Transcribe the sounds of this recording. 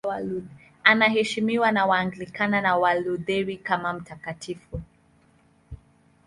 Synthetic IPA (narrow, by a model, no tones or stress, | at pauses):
anaɦɛʃimiwanawaːŋɡilikananawaluðɛɾikamam̩takatifu